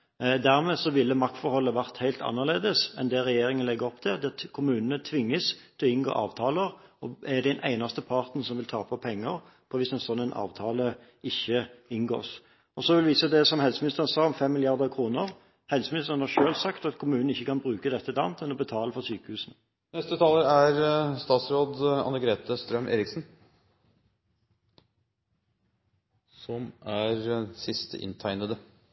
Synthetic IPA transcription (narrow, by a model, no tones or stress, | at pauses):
d̪æɾmeːsɔʋɪlːəmɑk̚t̪fɔɾhɔlːəʋæʁt̪hæɪlt̪ʰɑ̰nːəʁleːd̪əsɛ̰nd̪ɛɾɛjeːɾɪŋənlɛɡːəɾɔpt̪ʰɛd̪ɛkʰʊmʉːnənət̪ʰʋɪŋːəst̪ʰɛlɔɪnɡo̰ːʔɑ̰ːʋt̪ʰɑːləɾɔæd̪ɛnʔæɪnɑst̪əpʰɑʁt̪n̩sɔmʋɪlt̪ʰɑːpʰɔpʰɛŋːəɾ | pʰɔʋɪsɛnsɔnːɛnʔɑ̰ːʋt̪ʰɑːlə | ɪçːəɪnɡo̰ːs | ɔsɔʋɪlʋiːsəd̪ɛsɔmhɛlsəmɪnɪst̪əʁənsɑːɔmfɛmːɪlɪɑʁd̪əkʰɾuːnəʁ | hɛlsəmɪnɪst̪əʁənhɑʁʃøːlsɑkt̪ɑt̪kʰʊmʉːnn̩ɪçːəkɑnbʁʉːkəd̪ɛt̪ːəd̪ɑ̰nt̪ʰɛnɔbət̪ʰɑːləfɔʁsyːkəhʉːsn̩ | nɛst̪ət̪ʰɑːləɾæɾst̪ɑːt̪sɾoːd̪ɑ̰nəɡɾeːt̪əst̪ɾœmʔḛːɾɪksn̩ | sɔmæɾsɪst̪əʔɪ̰nt̪ʰæɪnəd̪ə